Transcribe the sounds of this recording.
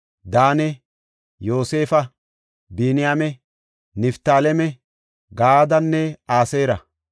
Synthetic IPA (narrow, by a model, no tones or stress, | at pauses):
d̪aːnɛ | jo̞ːse̞ːfɐ | binɪjamɛ | nɪft̪aːlɛmɛ | ɡaːd̪ɐnːɛaːseːɾɐ